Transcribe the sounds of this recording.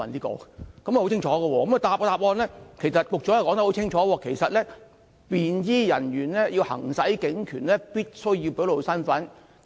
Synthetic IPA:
ɐ˨nt̪iː˥kɔ̰ː˨˥kɐ˨mː˥˨ho˧˥wt͡sʰɪ˥ŋt͡ʃʰɔː˨˥ɡə˧wɔː˧kɐ˨˦mɐ˨˧t̪aː˧p̚ːt̪aː˧p̚ɔː˧nlɛː˥kʰe˨˩jsɐ˨t̚kʊ˨k̚t͡ʃɔ˨˥jwkɔː˧˥ŋt̪̚ho˨˥wt͡sʰɪ˥ŋt͡ʃʰɔː˨˥wɔː˧kʰe˨˩jsɐ˨t̚lɛː˥ | piː˨njiː˥jɐ̰˨˩nɥyː˨˩nlɛː˥ji˧whɐ̰˨˩ŋsɐ˨˥jkɪ˨˥ŋkʰyː˨˩nlɛː˥piː˥t̚sɵ˥ɥji˧wpe˨˥lo˨˧sɐ˥nfɐ˨˥n

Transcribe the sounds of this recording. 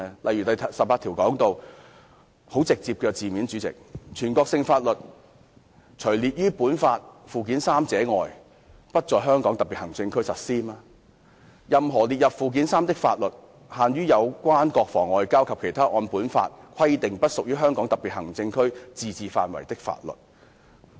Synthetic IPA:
lɐ˨jy˨˩t̪ɐ˨j̪ʰɐ˨sɐ˨p̚aː˧t̪ʰi˨˩wkɔː˨˥ŋt̪o˧w | ho˨˥wt͡sɪ˨k̚t͡siː˧p̚kɛː˧t͡siː˨miː˨˥nt͡ʃyː˨˥t͡sɪ̰˨k̚t͡ʃʰyː˨˩nkɔː˧ksɪ˧ŋfaː˧t̚lɵ˨t̚ | t͡ʃʰɵ˨˩jliː˨t̚jyː˥puː˨˥nfaː˧t̚fuː˨k̬iː˨˥nsaː˥mt͡sɛː˨˥ŋɔː˨˧j | pɐ˥t̚t͡sɔː˨jɦœː˥ŋkɔː˨˥ŋt̪ɐ˨˩piː˨t̚hɐ˨˩ŋt͡sɪ˧ŋkʰɵ˥ɥsɐ˨t̚siː˥naː˧ | jɐ˨mɦɔː˨˩li˨t̚jɐ˨p̚fuː˨˧k̬iː˨˥nsaː˥mt̪ɪ˥k̚faː˧t̚lɵ˨t̚ | haː˨˧njyː˥jɐ˨˧wkʷaː˥nkɔː˧k̚fɔː˨˩ŋɔː˨˧jkaː˥wkʰɐ˨p̚kʰe˨˩jt̪ʰaː˥ʔɔː˧npuː˨˥nfa̰ː˧t̚kʰɐ˥jt̪ɪ˨ŋpɐ˥t̚sʊ˨k̚jyː˥ɦœː˥ŋkɔː˨˥ŋt̪ɐ˨˩piː˨t̚hɐ˨˩ŋt͡sɪ˧ŋkʰɵ˥ɥt͡siː˨˧t͡siː˨fa̰ː˧nwɐ̰˨˩jt̪ɪ˥k̚fa̰ː˧t̚lɵ̰˨t̚

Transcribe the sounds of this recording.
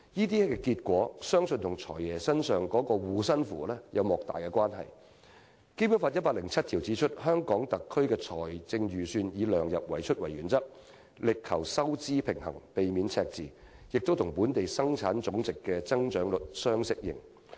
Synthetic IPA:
jiː˥t̪iː˥ɛ˥kɛ˧kiː˧t̚kʷwɔː˨˥sœː˥ŋsɵ˧nt̪ʰʊ˨˩ŋt͡sʰɔ̰ː˨˩jjɛː˨˩sɐ˥nsœː˨ŋkɔː˨˥kɔː˧wuː˨˧sɐ˥nfṵː˨lɛː˥jʔɐ˨˧wmɔː˨k̚t̪a̰ː˨˩jkɛː˧kwaː˥nɦɐ̰˨j | ke˥jpuː˨˥nfaː˧t̚jɐ˥t̚pa˧˥lɪ˨˩ŋt͡sʰɐ˥t̚t̪ʰiː˨˩wt͡siː˨˥t͡ʃʰɵ˥t̚hœː˥ŋkɔː˨˥ŋt̪ɐ˨kʰːɵ˥ɥkɛː˧t͡sʰɔː˨˩jt͡sɪ˧ŋɥyː˨˩syː˧njiː˨˧lœː˨˩ŋjɐ˨p̚wɐ˨˩jt͡ʃʰɵ˥t̚wɐ˨˩jɥyː˨˩nt͡sɐ˥k̚ | lɪ˨kʰːɐ˨˩wsɐ˥wt͡siː˥pʰɪ˨˩ŋhɐ̰˨˩ŋpe˨jmi˨˥nt͡sʰɛː˧k̚t͡siː˨ | jɪ˨k̚t̪o˥wt̪ʰʊ˨˩ŋpuː˨˥nt̪e˨jsɐ˥ŋt͡sʰaː˨˥nt͡sʊ˨˥ŋt͡sɪ˨kːɛː˧t͡sɐ˥ŋt͡ʃœː˨˥ŋlɵ˨˩t̚sœː˥ŋsɪ˥k̚jɪ̰˨˩ŋ

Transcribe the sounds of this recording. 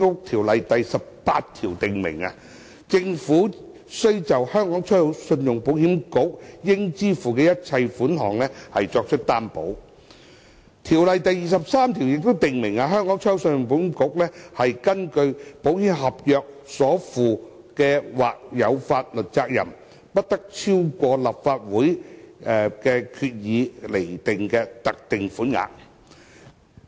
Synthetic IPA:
ʊ˥t̪ʰiː˨˩wlɐ˨jt̪ɐ˨jsɐ˨p̚paː˧tt̪ʰiː˨˩wt̪ɪ˨ŋmɪ̰˨˩ŋa̰˧ | t͡sɪ˧ŋfuː˨˥ | sɵ˥ɥt͡sɐ˨whœː˥ŋkɔː˨˥ŋt͡ʃʰœː˥jwsɵ˧njʊ˨˩ŋpo˨˥whiː˨˥mkʊ˨˥k̚jɪ˥ŋt͡siː˥fuː˨˩kɛː˧jɐ˥t̚t͡sʰɐ˧jfuː˨˥nɦɔ̰ː˨˩ŋlɛ˥hɐ˨jt͡ʃɔː˧k̚t͡ʃʰɵ˥t̚t̪aː˥npo̰˨˥w | t̪ʰiː˨˩wlɐ˨jt̪ɐ˨jːiː˨sɐ˨p̚saː˥mt̪ʰi˨˩wjɪ˨k̚t̪o˥wt̪ɪ˨ŋmɪ˨˩ŋa˧ɦœː˥ŋkɔː˨˥ŋt͡ʃʰɔː˥jwsə˧njʊ˨ŋp̬o˨˥whiː˧˥mkʊ˨˥k̚lɛː˥hɐ˨jkɐ˥nkɵ˧ɥpo˨˥wjiː˨˥nɦɐ˨p̚jœː˨k̚sɔː˨˥fuː˨˩ | kɛː˧waː˨k̚jɐ˨˧wfaː˧t̚lɵ˨t̚t͡saː˧k̚jɐ̰˨˩m | pɐ˥t̚t̪ɐ˥k̚t͡sʰiː˥wkʷɔː˧la˨˩p̚faː˧t̚wuː˨˥jɛ˨˧kɛː˧kʰyː˧t̚jiː˨˧le˨˩jt̪ɪ˨ŋkɛː˧t̪ɐ˨k̚t̪ɪ˨ŋfuː˨˥nŋa̰ː˨˧k̚

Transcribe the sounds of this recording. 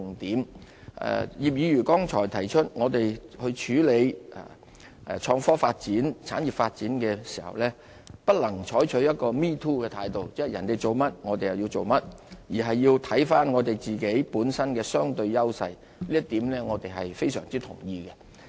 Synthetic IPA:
ŋt̪iː˨˥m | ɛ̰˨jiː˨p̚jiː˨˧jyː˨˩kɔː˥ŋt͡ʃʰɔː˨˩jt̪ʰɐ˨˩jt͡ʃʰɵ˥t̚ŋɔː˨˧t̪e˨jhɵ˧ɥt͡ʃʰyː˨˥le˨˧jʔa̰ː˨˩˨ | t͡ʃʰɔː˧ŋfɔː˥faː˧t̚t͡siː˨˥nt͡sʰa̰ː˨˥njiː˨˩p̚faː˧t̚t͡siː˨˥nkɛː˧si̥ː˨˩hɐ̰˨wlɛː˥ | pɐ˥t̚lɐ˨˩ŋt͡ʃʰɔː˨˥jt͡ʃʰɵ˨˥ɥjɐ˥t̚kɔː˧miː˥t̪ʰuː˥kɛː˧t̪ʰaː˨˧jt̪o˨˧wt͡sɛ˥hɐ˨jɐ˨˩nt̪e˨jt͡so˨wmɐ˥t̚ŋɔː˨˧t̪e˨jɐ˨wjiː˧wt͡so˨wmɐ˥t̚jiː˨˩ɦɐ˨jːiː˧wt̪ʰɐ˨˥jfaː˥nŋɔː˨˧t̪e˨jt͡siː˨ke˨˥jpuː˨˥nsɐ˥nkɛː˧sœː˥ŋt̪ɵ˧ɥjɐ˥wsɐ˧j | liː˥jɐ˥t̪iː˨˥mlɛː˥ŋɔː˨˧t̪e˨jɦɐ˨jfe˥jsœ̰ː˨˩ŋt͡siː˥t̪ʰʊ˨˩ŋjiː˧kɛ˧

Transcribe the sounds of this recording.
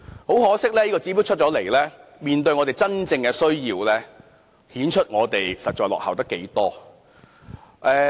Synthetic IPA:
ho˨˥whɔː˨˥sɪ˥k̚lɛː˥jiː˥kɔː˧t͡siː˨˥pi˨˥t͡ʃʰɵ˥t͡ʃɔ˨˧˥le˨˩jlɛː˥miː˨nt̪ɵ˧ɥŋɔ˨˧t̪e˨˩jt͡sɐ˥nt͡sɪ˧ŋkɛː˧sɵ˥ɥjiː˧wlɛː˥ | hiː˨˥nt͡ʃʰɵ˥t̚ŋɔː˨˧t̪e˨˩jsɐ˨t̚t͡ʃɔː˧lɔ̰˨khɐ̰˨wt̪ɐ˥kːe˨˥jt̪ɔː˥ | ʔɛː˧

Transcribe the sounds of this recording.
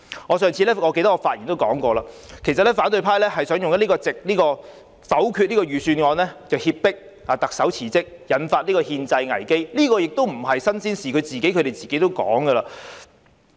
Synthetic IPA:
ŋɔː˨˧sœː˨ŋt͡sʰiː˧lɛː˥ŋɔː˨˧ke˧jt̪ɐ˥k̚ɔ˧faː˧t̚jiː˨˩nt̪o˥wkɔː˨˥ŋkɔː˧laː˧kʰe˨˩jsɐ˨t̚lɛ˥faː˨˥nt̪ɵ˧ɥpʰaː˥jlɛː˥ɦɐ˨jsœː˨˥ŋjʊ˨ŋjɐ˥t̚iː˥kɔː˧t͡sɪ˨k̚liː˥kɔː˧ | fɐ˨˥wkʰy˧t̚liː˥kɔː˧ɥyː˨syː˧nŋɔː˧nlɛː˥t͡sɐ˨whiː˧p̚pːɪ˥k̚ | aː˨˩t̪ɐ˨k̚sɐ˨˥wt͡sʰiː˨˩t͡sɪ˥k̚jɐ˨˥nfaː˧t̚liː˥kɔː˧hiː˧nt͡sɐ˧jŋɐ˨˩jke˥jliː˥kɔː˧jɪ˨k̚t̪o˥wm̩˨˩ɦɐ˨jsɐ˥nsiː˥nsiː˨˩kʰɵ˨˧ɥt͡siː˨ke˨˥jkʰɵ˨˧ɾe˨˩jt͡siː˨ke˨˥jt̪o˥wkɔ̰ː˨˥ŋɡə˧laː˧

